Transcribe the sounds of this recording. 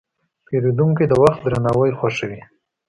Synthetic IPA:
peɾed̪uŋkid̪əwaxt̪̚d̪ɾanawəjxwaʃawi

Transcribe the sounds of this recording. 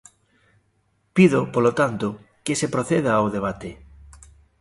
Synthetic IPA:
piðʊpolot̪ant̪ʊ | kɪsepɾoθeð̞aːwðeβ̞at̪e

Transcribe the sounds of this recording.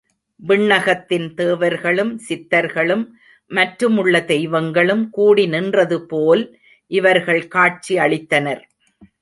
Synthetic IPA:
bɪɳːɐɣɐt̪ːɪnt̪eːʋɐɾɣɐɭɯmsɪt̪ːɐɾɣɐɭɯmː | ɐʈɾɯmɯɭːɐt̪ɛjʋɐŋɡɐɭɯmkuːɽinɪndrɐðɯpoːl | ʔɪʋɐɾɣɐɭkaːʈ̚t͡ʃiɐɭɪt̪ːɐnɐɾ

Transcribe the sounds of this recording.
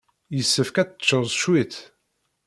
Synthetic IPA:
jəsːəfkæt͡sːt͡ʃːəɾˤzˤʃwiθ

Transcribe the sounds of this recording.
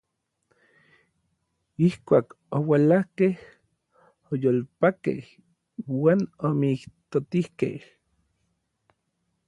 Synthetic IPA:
ihkʷaːk | owalahkeh | ojoːlpakḛh | waːnomikt̪ot̪ihkḛh

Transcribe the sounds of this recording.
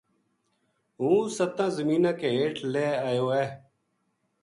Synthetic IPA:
ɦũːsət̪ãːzəmiːnãːkeːɦeːʈleːaːjoːɛː

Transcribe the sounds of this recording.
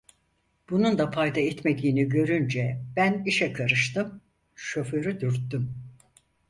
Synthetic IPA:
b̥unund̪apʰajd̪aɛt̪me̞d̪iːniɟø̞ɾynd͡ʒɛbæniʃɛkʰaɾɯʃt̪ɯm | ʃøføɾyd̪yɾt̪ːym

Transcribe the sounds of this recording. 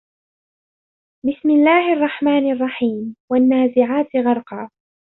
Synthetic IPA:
bɪsmɪlːaːhɪʔɑrˤːɑħmaːnʔɑrˤːɑħiːmwanːaːzɪʕaːt̪ɣɑɾˤqɑː

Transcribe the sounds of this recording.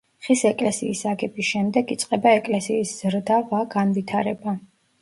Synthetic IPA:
χisɛkʼlɛsiːsaɡɛbisʃɛmd̪ɛɡit̪sʼqʼɛbaɛkʼlɛsiːsz̥ɾd̪avaɡanvit̪ʰaɾɛba

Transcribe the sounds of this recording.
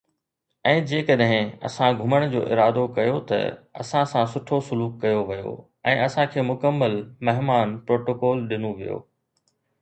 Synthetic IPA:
ɛ̃ːd͡ʑeːkɐɗɦɪ̃ɐ̰sãɡʱʊməɽ̃d͡ʑo̰ːʔɪɾaːd̪okɐjot̪ɐ̰ɐ̰sãsãsʊʈʰosʊluːkːɐjoʋɐjo̰ | ɛ̃ːʔɐsãkʰeːmʊkəmːəlmɐɦmaːnpɾoːʈoːkɔːlɗɪnuʋijo̰ː

